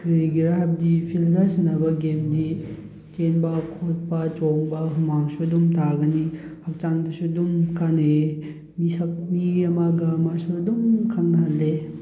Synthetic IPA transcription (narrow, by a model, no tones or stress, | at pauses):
kɾiɡiɾaɦab̚dipʰildasinabɐɡemdi | t͡ʃenbɐkʰot̚pɐt͡ʃoŋbɐɦumaŋsudumtaɡɐnihak̚t͡ʃaŋdɐsudumkʰane | misɐmiɡɐmaɡamasuɐdumkʰaŋaɦanle